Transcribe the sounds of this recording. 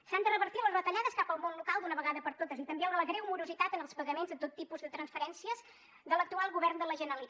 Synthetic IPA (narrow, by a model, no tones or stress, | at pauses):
sand̪ərəβəɾt̪iləzβət̪əʎaðəskapəlˠmonlukalˠd̪unəβəɣaðəpəɾt̪ot̪əzit̪əmbeəɾləɣɾɛumuɾuzit̪at̪ənəlˠspəɣəmenzðət̪ot̪ːipuzðət̪ɾənsfəɾɛnsiəz | ðələk̚t̪ualˠɣuβɛrnd̪ələʒənəli